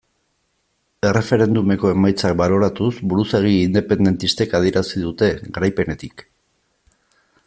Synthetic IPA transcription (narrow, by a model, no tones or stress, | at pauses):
e̞re̞fe̞ɾe̞nd̪ume̞ko̞e̞majt͡sak̚balo̞ɾat̪usbuɾuseɣ̞iːnd̪e̞pe̞nd̪e̞nt̪ist̪e̞kað̞ieɾasiðut̪e̞ɣɾajpe̞ne̞t̪ik